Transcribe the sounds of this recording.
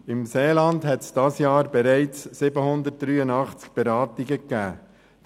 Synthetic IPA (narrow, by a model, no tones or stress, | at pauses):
ɪmseːlɑndɦɛtsd̥ɑsjɑːɾb̥ɛɾɛɪt͡sːɪbəhʊnd̪ət̚d̥ɾyːənɑχt͡sk̚b̥ɛɾɑːtɪɡəkːæː